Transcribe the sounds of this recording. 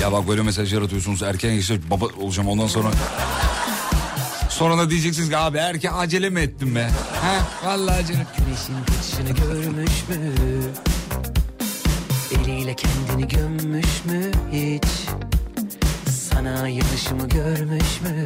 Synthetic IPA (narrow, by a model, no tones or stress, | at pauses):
jabak̚bølʲɛɛmɛs̬aaʒjaɾat̪ʰɯjo̞sunuzæɾcʰænesɛbabaolˠud͡ʒaːmo̞nd̪anso̞nɾa | so̞nɾad̪ad̪ijed͡ʒɛc̬sinizaːbiæɾcʰænad͡ʒelʲemiɛt̪ːimbɛhɛ̃valˠːaːd͡ʒanaymeʃinkʰat̪ʰɯ̥ʃɯnɯɟøɾmyʃmy | elʲijlʲɛcʰɛnd̪iniɟønmyʃmyhit͡ʃ | sanajanɯʃɯmɯɟøɾmyʃmy